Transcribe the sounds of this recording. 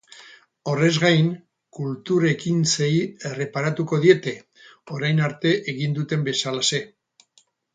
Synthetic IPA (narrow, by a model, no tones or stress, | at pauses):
o̞re̞zɣajŋ | kult̪uɾe̞kinseiere̞paɾat̪uko̞ðie̞t̪e̞ | o̞ɾajnaɾt̪e̞ʔeɣind̪ut̪e̞mbe̞salase̞